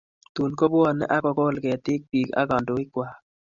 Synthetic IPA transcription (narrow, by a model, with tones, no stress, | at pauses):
t̪u˨nko˦bɔ˦n̰˦ʔa˦kɔ˨ko˦lkɛ˨t̪ɪ˦k̚pi˨ka̰˦ɡɔ˨ndo˨˦ɪ˦kwa˨